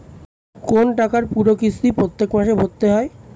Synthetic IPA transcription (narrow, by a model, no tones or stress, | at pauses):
konʈakaɾpuɾokist̪ipɾot̪ːekmaʃebʱot̪ːeɦɔe